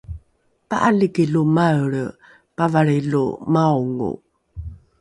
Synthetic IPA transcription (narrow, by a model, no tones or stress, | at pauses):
paʔaliɡilumaɭə | pavaɭilṵmauŋṵ